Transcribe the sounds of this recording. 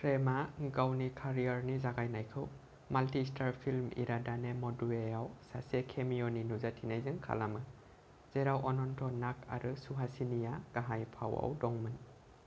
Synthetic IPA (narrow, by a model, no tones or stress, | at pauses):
pʰɾemaɡawnikʰaɾijaɾnizaɡajnajkʰɯw | maltistʰaɾpʰilmḭɾadanemɔdueawsasekʰemiɔninuzatʰinajzɯŋkʰa̰lamɯ | z̥eɾawʔɔnɔntʰɔnak̚ʰa̰ɾɯsuɦasinijaɡ̥aɦajpʰawa̰wdɔŋmɯn